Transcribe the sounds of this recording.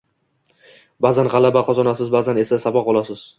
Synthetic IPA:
bazanʁɑlabaqʰɒzɒnasɪzbazane̞sasabɒq̚bɒlˠasɪz̥

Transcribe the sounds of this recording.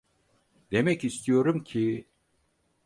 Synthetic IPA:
d̪emɛcist̪ijoɾumcʰi

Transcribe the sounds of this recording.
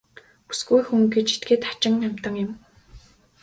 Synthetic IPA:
pu̥sɡujxuŋɡet͡ɕʰi̥t̪̚ɡeːt̪ḁt͡ɕɪ̆ŋam̥ʲt̪ə̆ŋjʊ̆m

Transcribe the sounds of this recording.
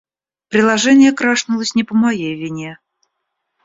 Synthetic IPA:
pɾʲɪlˠɐʐɛnʲɪjəkɾaʂnʊlˠəsʲnʲɪpəmajejvʲɪnʲe

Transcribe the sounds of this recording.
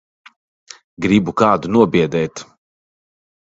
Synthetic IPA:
ɡɾibukaːd̪unuɔbiɛd̪ɛːt̪

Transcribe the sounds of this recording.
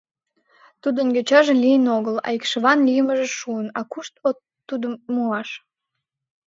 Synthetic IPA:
t̪ud̪ənɡøt͡ɕɑʒelʲijənoɣəlɑ̰ikʃəβɑnlijəməʒeʃuənɑkuʃt̪oː | ud̪əmmuɑʃ

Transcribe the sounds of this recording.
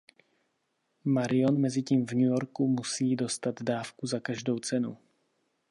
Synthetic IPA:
maɾɪjo̞nmɛzɪciːmvɲujo̞ɾkumusiːdo̞st̪ad̪daːfkuzakaʒdo̞wt͡sɛnṵ

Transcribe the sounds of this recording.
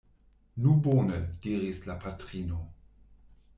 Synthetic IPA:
nuboːnəd̥iːɾislapʰatʁino

